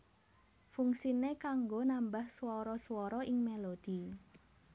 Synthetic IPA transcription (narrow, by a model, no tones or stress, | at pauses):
fuŋsinekaŋɡonambahswɔɾɔswɔɾɔʔɪŋmelod̪̥i